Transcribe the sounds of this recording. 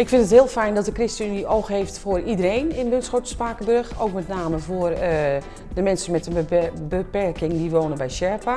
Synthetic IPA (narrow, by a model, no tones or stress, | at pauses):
ɪkfɪndəthɪəlˠfɛjndɔt̚dəkrɪstəyniʔowxheːftfoəridərenɪnbønsxotəspaːkəbøɹxoːk̚mɛtnaːməvoərə | dəmɛnsənmɛtəbəpɛrkɪŋdiʋoːnənbɛjsɛːpʰa